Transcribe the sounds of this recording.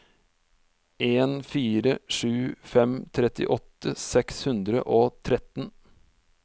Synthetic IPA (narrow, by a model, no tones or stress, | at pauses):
ʔeːnfiːɾəʂʉːfɛmt̪ʰɾɛt̪ɪ̰ʔɔt̪ːəsɛkshʉnd̪ɾə̰ʔoːt̪ʰɾɛt̪n